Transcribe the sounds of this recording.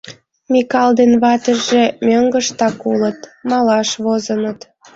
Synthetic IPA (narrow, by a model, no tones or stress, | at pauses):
mʲikɑld̪enβɑt̪əʒʒemøŋɡəʃt̪ɑkulət̪mɑlɑʃβozənət̪